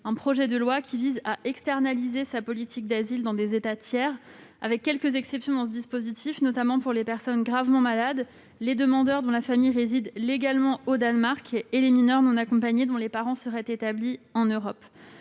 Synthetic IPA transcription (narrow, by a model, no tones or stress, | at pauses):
ɛ̃pχɔʒɛd̪əlwakʲʰivizaʔɛkst̪ɛʁnalizesapɔlit̪ʰik̚d̪azild̪ɑ̃d̪ezet̪at̪jɛːʁa̰vɛkʲːɛlkəzɛksɛpsjɔ̃d̪ɑ̃səd̪ispozit̪ʰifnɔt̪amɑ̃puʁlepɛʁsɔnɡʁavmɑ̃malad̪ | led̪əmɑ̃d̪œʁd̪ɔ̃lafamijʁezid̪leɡalmɑ̃od̪anmaʁkʰeleminœʁnɔ̃nakɔ̃paɲed̪ɔ̃lepaʁɑ̃səʁɛt̪et̪abliɑ̃nøʁɔp